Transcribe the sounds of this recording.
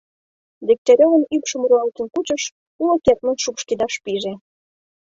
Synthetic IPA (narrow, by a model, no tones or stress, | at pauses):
d̪ek̚t̪eɾʲoənypʃəmɾuɑlt̪ə̆nkut͡ɕə̆ʃ | kuloket̪mənʃukʃked̪ɑʃpiʒe